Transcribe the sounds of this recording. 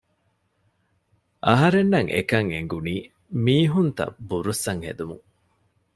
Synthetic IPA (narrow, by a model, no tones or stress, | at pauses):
ʔɐɦɐɾenːɐŋʔḛkɐŋḛŋɡuniː | miːɦunt̪ɐ̰buɾusːɐŋhḛd̪umṵŋ